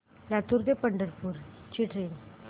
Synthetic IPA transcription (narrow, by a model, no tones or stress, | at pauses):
lat̪uɾt̪epəɳɖəɾpuːɾt͡ɕiʈʰɾin